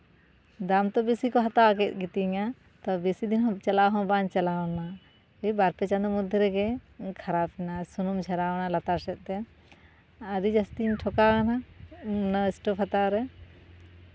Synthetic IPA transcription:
d̪amt̪ɔbisikɔɦat̪awakɛt̪̚ˀɡit̪iŋa | t̪ɔbisid̪inɦɔ̃t͡ʃalaɦɔ̃bant͡ʃalana | ijbaɾpɛt͡ʃand̪ɔmud̪ʱɛɾɛɡɛkʰaɾap̚ɛnasunumd͡ʒʱɛɾawnalat̪aɾsɛt̪̚ˀt̪ɛ | aɾid͡ʒast̪inʈʰɔkaana | naɛsʈɔpʰhat̪awɾɛ

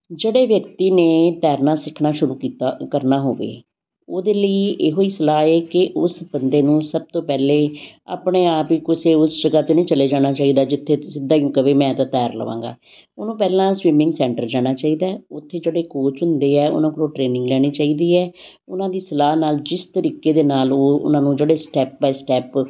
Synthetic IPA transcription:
d͡ʒeːɽeːʋjəkt̪iːneːt̪ɛːɾnaːsɪkʰːnaːʃʊɾuːkiːt̪ːkəɾnaːɦoːʋḛː | oːd̪eːləiʔeːɦoːiːsəlaːeːkɪʔʊsbənd̪eːnũːsəb̚t̪oːpɛːleːa̰ːpɳeːaːpiːkʊseːʊsd͡ʒəɡaːt̪enə̃iːt͡ʃəleːd͡ʒaːɽ̃aːt͡ʃaːiːd̪aːd͡ʒɪt̪ʰːeːsɪd̪aːiũːkəʋeːmɛ̃ːt̪ãːt̪ɛːɾlə̰ʋã̰ːŋɡa̰ː | oːnũːpɛːlãːsʋɪmɪ̃ŋɡsɛ̃ːɳʈəɾd͡ʒaːɽ̃aːt͡ʃaːiːd̪aːʊt̪ʰːeːd͡ʒeːɽeːkoːt͡ʃɦʊ̃nd̪eːɛːʊ̰nãːkəɾoʈɾeːnɪ̃ŋɡlɛːɽ̃iːt͡ʃaːiːd̪iːɛː | ʊnãːd̪iːsəlaːnaːld͡ʒɪst̪əɾiːkeːd̪eːnaːloːʊ̰nãːnũːd͡ʒeːɽeːsʈɛːp̚baːsʈɛːp

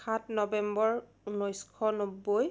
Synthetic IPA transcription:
atnɔbɛmbɔɹ | unojskʰɔnobːoj

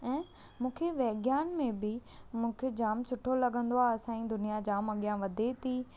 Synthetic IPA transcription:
ɛ̃ː | mũːkʰeʋɛɦɡjaːnmẽbɪmũːkʰed͡ʑaːmt͡ɕʰʊʈʰolɐɠə̃nd̪oaːɐsãĩd̪ʊnijad͡ʑaːmɐɠjãʋɐd̪ʱet̪ʰiː

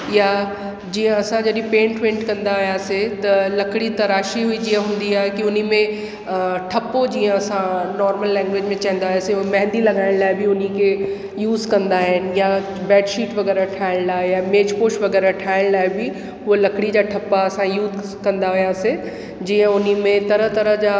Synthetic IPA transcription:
ja | d͡ʑiːə̃ɐsãd͡ʑɐɗĩpẽːɳʈʋẽːɳʈkɐ̃nd̪aɦijaset̪ɐlɐkɽit̪ɐɾaːʃiɦuid͡ʑiːə̃ɦũːn̆d̪iaːɦɪkiʊn̤imẽ | ʈʰɐpod͡ʑiːə̃ɐsãnɔːɾməlːɛ̃ːŋɡʋed͡ʑmẽt͡ɕɐ̃ːnd̪aɦjaseʊ̃mɐ̃ɦɪ̃nd̪ilɐɡaːɪ̃ɽ̃laːɪbɪʊnikʰe | juːzkɐ̃nd̪aːɦɪnja | bɛːɖʃiːʈʋɐɣɛːɾaʈʰaːɪɽ̃laːejameːd͡ʑpoːʃʋɐɡɛːɾaʈʰaːɪɽ̃laːɪbɪ | ɦʊelɐkɽid͡ʑaːʈʰɐpaɐsãjuːd̪ | kɐ̃nd̪aɦijaːse | d͡ʑiːə̃ʊn̤imẽt̪ɐɾət̪ɐɾəɦd͡ʑaː

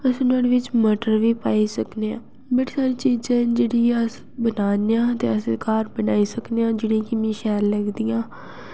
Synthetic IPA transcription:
əsĩːnd̪aːɽeʋɪt͡ʃməʈəɾʋiːpaːiːsəkneã̰ː | beʈʰisaːɾiːt͡ʃiːd͡ʒãːd͡ʒeːɽiːəs | bənaːneãːt̪eːəsekaːɾbənaːiːsəkneãːd͡ʒɪɽĩːkɪmĩːʃɛːɾləɡd̪ijãː

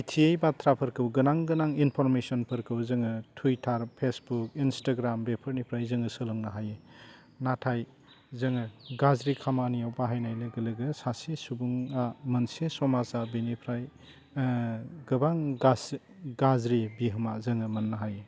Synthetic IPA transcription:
itʰiejbat̪ʰɾapʰɐɾkʰɯwɡɯnaŋɡɯnaŋinpʰɔɾmesɔnpʰɯɾkʰɯwzɯŋɯtʰuitʰaɾpʰesbukinstaɡɾambepʰɯɾnipʰɾajzɯŋɯsɯlɯŋnaɦaje | natʰaj | zɯŋɯɡazɾikʰamanijawbaɦajnajleɡɯlɯɡɯsasesubuŋamɯnsesɔmazabinipʰɾaj | ɡɯbaŋɡas | ɡazɾibiɦɯmazɯŋɯmɐnːaɦaje

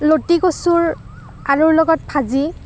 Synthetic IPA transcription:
lotikosuɹ | aɹuɹlɔɡɔt̚pʰazi

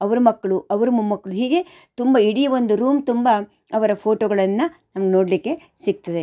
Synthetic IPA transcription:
ɐʋɐɾumɐkːɐɭuɐʋɐɾumɐmɐkːɐɭuɦiːɡe̞ | t̪umbɐiɽijɐʋond̪uɾuːmt̪umbɐ | ɐʋɐɾɐpʰoːʈoːɡɐɭɐnːɐnɐmɐɡeno̞ːɽlikːe̞ | siɡ̚t̪ɐd̪e

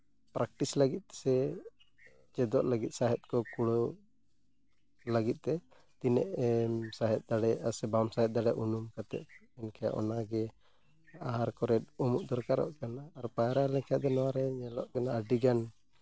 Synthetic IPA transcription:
pɾak̚ʈislaɡit̪̚sɛ | t͡ʃɛd̪ɔʔlaɡit̪̚saɦɛt̪̚kɔkuɽɔ | laɡit̪̚t̪ɛ | t̪inɛʔsaɦɛt̪̚d̪aɽɛasɛbamsaɦɛt̪̚d̪aɽɛʔunumkat̪ɛ̰ʔɛnkʰaja̰ʔɔ̰naɡɛ | aɦaɾkɔɾɛt̪̚ɔmuʔd̪ɔɾkaɾɔ̰ʔkanaːɾpajɾalɛkʰad̪ɛnɔwaɾɛɲɛlɔʔkanaːɖiɡan

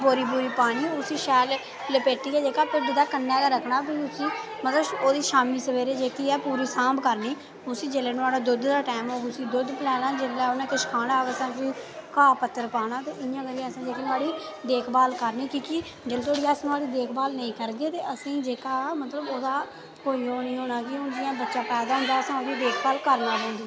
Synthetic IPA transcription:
boːɾiːbuːɾiːpaːɽ̃iːʊsĩːʃɛːl | ləpeːʈiːɛːd͡ʒeːkaːpɪɖiːd̪aːkənːaːlaːɾəkʰnaːbiːʊsĩː | mət̪ləboːd̪iːʃaːmiːsəʋeːɾeːd͡ʒeːkiːɛːpuːɾiːsãːmbkəɾniː | ʊsĩːd͡ʒeleːnʊaːɽaːd̪ʊd̪d̪aːʈɛːmoːɡʊsĩːd̪ʊd̪pəlɛːnaːd͡ʒɪlɛːonɛ̃ːkɪʃkʰaːnaːkəsãːt͡ʃĩːkaːpət̪ːəɾpaːɽaːt̪eːʔɪjãːkəɾiãəsãːd͡ʒeːkːnaːɽiː | d̪eːkʰbaːlkəɾniːkĩːkɪ | d͡ʒelt̪ʰoːɽiːaːsnaːɽiːd̪eːkʰbaːlnəĩːkəɾɡeːt̪eːʔəsĩːd͡ʒeːkaːmət̪ləboːd̪aː | koːiːɦoːnəĩːɦoːnaːkɪʊnd͡ʒ̪ɪjãːbətːʃãːpɛːd̪aːɦʊ̃nd̪aːəsãːod̪ĩːd̪eːkʰbaːlkəɾnaːbõːnd̪iː

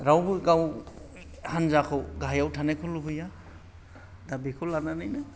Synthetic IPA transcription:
ɾawbɯɡaw | hanzakʰɯwɡaɦjawtʰanajkʰɔlubɯja | dabikʰɔlananajnɯ

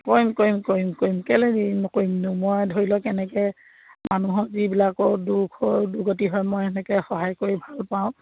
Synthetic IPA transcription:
kojmkojmkoimkoimkɛleɡinɔkoimnumɔjdʱoɹilɔkɛnɛkɛ | manuɦɔzibilakɔɹdukʰɔɹduɡɔt̬iɦɔjmɔjɛnɛkɛxɔɦajkoɹibʱalpaʊ̃

